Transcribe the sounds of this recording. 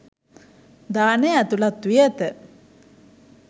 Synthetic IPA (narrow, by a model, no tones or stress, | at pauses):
d̪aːnəæt̪ulat̪ːijət̪ə